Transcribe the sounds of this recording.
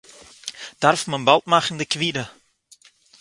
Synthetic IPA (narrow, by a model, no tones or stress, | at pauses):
d̥arfmənbɑlˠtmaχəndəkʋiɾə